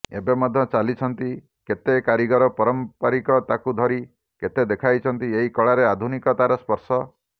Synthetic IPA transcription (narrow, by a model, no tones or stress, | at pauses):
ḛbemɔd̪ʱjɔt͡ʃalit͡ʃʰɔnt̪i | ket̪ekaɾiɡɔɾɔpɔɾɔmpaɾikɔt̪akud̪ʱɔɾi | ket̪ed̪ekʰajt͡ʃʰɔnt̪ieɦikɔɭaɾead̪ʱunikɔt̪aɾɔspɔɾsɔ